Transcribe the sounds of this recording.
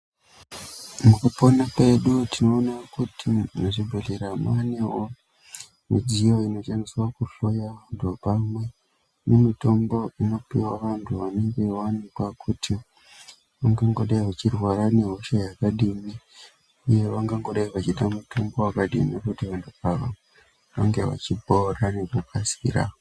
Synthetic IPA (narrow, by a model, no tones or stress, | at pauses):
mukaponape̞ɗutino̞ːnakutʰineʐibʱeɮiɾamanewo | mḭd͡ʒijo̞ino̞t͡ʃeniswakuɬojaʋantʰupamwe̞ | nemito̞mbo̞ino̞piwaʋantʰuʋaneŋɡewanikwakʰutʰi | ʋaŋɡaŋɡo̞ɗaiʋat͡ʃirwaɾane̞ɦoʃajakaɗimi | uje̞ʋaŋɡaŋɡo̞ɗaiʋat͡ʃiɗamutʰo̞mbo̞wakaɗḭmikutiʋantʰupaʋa | ʋa̰ŋɡe̞ʋa̰t͡ʃiborane̞kupʰasḭɾa̰